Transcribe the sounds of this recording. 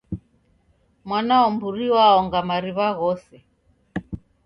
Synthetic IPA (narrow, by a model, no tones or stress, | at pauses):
mwanaɔmbuɾiwaɔŋɡamaɾiβaɣɔsɛ